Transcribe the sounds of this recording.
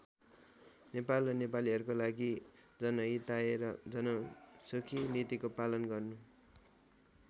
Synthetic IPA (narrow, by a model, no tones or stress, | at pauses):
nepalrʌnep̬aliɦʌɾukolaɡid͡zʌnʌit̪aeɾʌd͡zʌnʌsokʰinit̪ikopalʌnɡʌrnu